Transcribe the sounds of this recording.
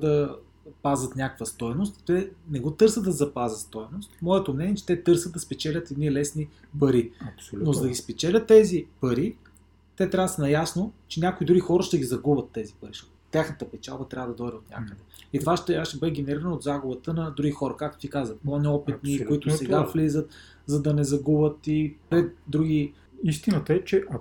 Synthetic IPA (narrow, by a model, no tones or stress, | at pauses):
d̪ɐ | pazət̪nʲakkvəst̪ɔjnost̪t̪ɛnɛɡɔt̪ɤɾsəd̪ɐzɐpazət̪st̪ɔjnost̪mɔɛt̪omnɛniɛt͡ʃɛ̥t̪ɛt̪ɤɾsəd̪ɐspɛt͡ʃɛlʲət̪ɛd̪niɛlɛsnipɐɾiɐsnozɐd̪ɐɡʲispɛt͡ʃɛlʲət̪ːɛzipɐɾi | t̪ɛt̪ɾʲavəsɐnɐjasnot͡ʃɛnʲakoid̪ɾuɡixɔɾəʃt̪ɛɡizɐɡubət̪ːɛzipɐɾiʃot̪t̪ʲaxnət̪əpɛt͡ʃa̰lˠbət̪ɾʲavəd̪ɐd̪ɔjd̪ɛot̪nʲa̰kəd̪ɛit̪ovaʃt̪ɛʃt̪ɛbɤd̪ɛɡ̟ɛnɛɾiɾənɐod̪zaɡʊbət̪ənɐd̪ɾuɡixɔɾɐkak̚t̪o̥t̪ikazvəplˠanɔpɛt̪̚nikoʊit̪ʊsɛɡaflizət̪ | zɐd̪ɐnɛzɐɡubət̪ipɾɛt̪̚d̪ɾuɡi | ist̪inət̪əɛt͡ʃɛʔɐ